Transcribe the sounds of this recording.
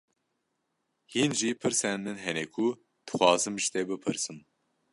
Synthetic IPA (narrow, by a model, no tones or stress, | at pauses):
hinʒipʰɨɾsɛnmɨnɦɛnɛkʰu | d̪̥ɨ̥xʷɑːzɨmʒt̪eːbɨpʰɨɾsɨm